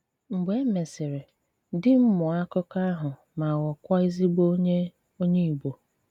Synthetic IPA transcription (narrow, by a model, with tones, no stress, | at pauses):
ŋ͡m̩˨ɡ͡be˦me˨sɪ˨ɾe˨ | dɪ˦m̩˦mʊ˨a˦kʊ˦ka˦a˦ɦʊ˨ | ma˨wɔ˨kʷa˦i˦zi˦ɡ͡bo˦ɲe˦ | o˦ɲe˦i˨ɡ͡bo˨